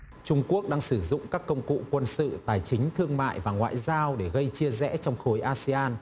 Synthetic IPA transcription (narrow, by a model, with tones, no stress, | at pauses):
t͡ɕʊ˧ŋ͡mku˦˥ək̚ɗaː˧ŋsɨ˧˩zʊ̰˧˨ŋ͡mkaː˦˥kːə˧wŋ͡mkṵ˧˨kwə˧nsɨ̰˧˨t̪aː˨˩jt͡ɕï˨˦ŋ̟t̪ʰɨ˧əŋma̰ː˧˨jvaː˨˩ŋwa̰ː˧˨jzaː˧wɗe˧˩ɣə˧jt͡ɕi˧əzɛ̰˧˥t͡ɕɔ˧wŋ͡mxo˨˦jʔaː˧si˧aː˧n